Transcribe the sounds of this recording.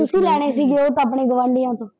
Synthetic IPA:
t̪ʊsĩːlɛːɽ̃eːsiːɡɪoːt̪aːp̬ɳeːɡʊʋãːɳɖijãːt̪õː

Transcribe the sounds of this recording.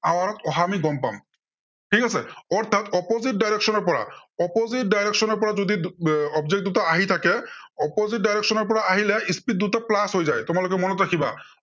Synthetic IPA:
awaɾɔtɔɦamiɡɔmpa̰m | ʈʰikasɛ̰ɔɹt̪ʰatɔpozit̚dajɹeksɔnɔɹpɔɹa̰ɔpozit̚dajɹeksɔnɔɹpɔɹazod̪iɔbzɛk̚d̪utaaɦit̪ʰakɛɔpozit̚dajɹeksɔnɔɹp̬ɔɹaaɦilɛispit̚d̪utaplasɦojzajtʊmalokɛmɔnɔtɹakʰiba̰

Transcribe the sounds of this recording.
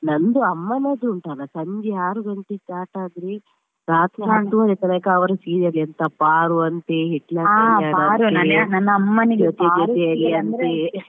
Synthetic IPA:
nɐnd̪uɐmːɐnɐd̪uɳʈaːnɐsɐɲd͡ʒɛaːɾuɡɐnt̪it͡ʃaːʈaːd̪ɾi | ɾaːt̪ʰɾɐɦɐnt̪uʋɐɾet̪ɐnɐkɐɐʋɐɾɐsiːɾɐɾɐnt̪ɐpaːɾuɐnt̪eɦiʈlɐaɾɐnɐnːɐɐmːɐnd͡ʒɔt̪ed͡ʒɔt̪eɐliɐnt̪e

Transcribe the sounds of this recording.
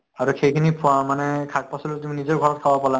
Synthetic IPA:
aɹuxejkʰinipʰamanɛkʰak̚pasɔlut̬uminizɔɹɡʱɔɹɔt̚kʰabapala

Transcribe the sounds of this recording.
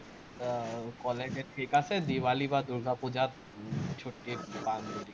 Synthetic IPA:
kɔled͡ʒeʈʰikased̪iwalibad̪uɾɡʱapud͡ʒat̪ | t͡ʃʰoʈːiband̪uɽi

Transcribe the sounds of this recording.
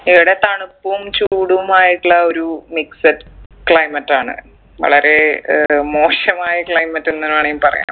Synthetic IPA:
iʋiɽe̞t̪ɐɳupːuumt͡ɕuːɽuumaːjiʈːuɭːɐo̞ɾumiksɐɾkɭɐjmɐtːaːɳɨ̰ | ʋɐ̰ɭɐɾe̞mo̞ːɕɐmaːjɐkɭɐjmɐtːenːɐnaːɳejumpɐrɐ̰ja̰ːm

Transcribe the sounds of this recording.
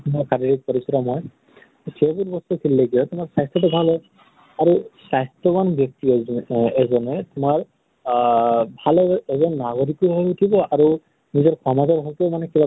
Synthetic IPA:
tmakʰaɾiɹik̚pɔɹisɔɾɔmɔj | sʰebuɾbɔstukʰilːeɡijɔtumaɹsajst̪ɔtʊbʱalɦɔj | aɹusajstɔmanbjɔk̚tiɛzɔnɛtʊmaɹ | bʱalɔɛzɔnːaɡɔɹikɔɦɔutʰibɔaɹu | nizɔɹkʰɔmataɹɦɔtumanɛkiba

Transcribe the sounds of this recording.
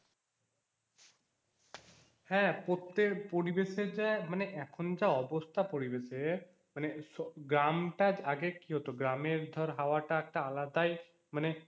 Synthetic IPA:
hɛ̃pot̪epɔɽibesed͡ʒɛməneʔɛkʰund͡ʒaɔbɔst̪ʰapɔɽibese | mənesɔɡɾamʈad͡ʒaɡekiɦot̪oɡɾameɾd̪ʱəɾɦaʋaʈak̚ʈaəlad̪aj | məne

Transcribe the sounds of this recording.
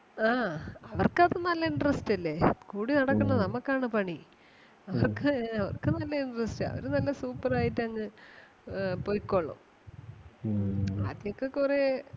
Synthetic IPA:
aːɐʋɐrkɐðɨnɐlːɐiɳɖrɐstɐlːe̞kuːɽinɐɽɐkːɐɳːɐnɐmɐkːaːɳɨpɐɳi | ɐʋɐrkɨɐʋɐ̰rkɨnɐlːɐiɳɖrɐstɨɐ̰ʋɐ̰ɾunɐlːɐsuːpːɐraːjitːɐŋːɨ | pojkːoɭːɐ̰m | ɐ̰ðjokːe̞kure̞

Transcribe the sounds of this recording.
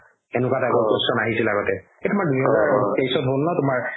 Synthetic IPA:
enukatakɔnpɔsɔnaɦisilaɡɔtɛ | etʊmaɹduɦɛzaɹkesɔtɦolnɔtʊmaɹ

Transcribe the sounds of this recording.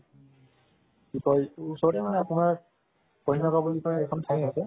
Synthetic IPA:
kikɔjsɔbɔtɛmanɛapʊnaɹ | kɔɦinɔkabulikɔɛkʰɔntʰajasɛ

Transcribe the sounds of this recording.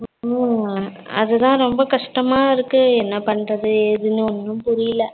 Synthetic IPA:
ɐ̰ðɯt̪ãːɾɔmbɐkɐʂʈɐmaːɪɾɯkːɯɛnːɐpɐɳrɐðɯeːðɯnɯɔnːɯ̃mpʊɾɪjɪlɐ

